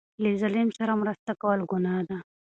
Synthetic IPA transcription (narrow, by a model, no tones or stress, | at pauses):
lezalimsaɾamɾəst̪akawəlɡʊnaːd̪a